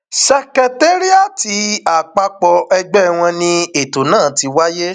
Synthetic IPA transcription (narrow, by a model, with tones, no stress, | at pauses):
sɛ˧kɛ˨te˦ɾi˦a˦˨ti˧˦a˨k͡pa˧k͡pɔ˧ɛ˧ɡ͡bɛ˦˨w̃ɔ̃˧nĩ˧e˨to˨nãː˦˨˦ti˧wa˦je˦